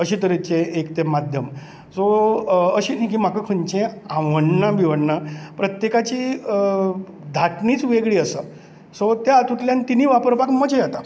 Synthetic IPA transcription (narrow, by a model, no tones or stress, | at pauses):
əɕiːt̪əɾet͡ɕẽʔekt̪emad̪ʱjəm | soəɕiːnĩkim̤akəkʰəɲt͡ɕẽãʋəɳːabiʋəɳːapɾət̪jekat͡ɕiː | d̪ʱaʈnit͡sʋeɡɭiːəsə | sot̪jaːt̪ut̪ljant̪iniːʋapəɾpakməd͡ʑejat̪a